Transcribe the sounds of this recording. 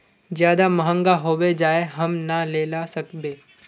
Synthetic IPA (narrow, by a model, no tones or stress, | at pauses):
zjaːd̪amɐɦə̃ŋɡaɦoːʋed͡ʒaːeɦɐmnaleːlasɐkbeː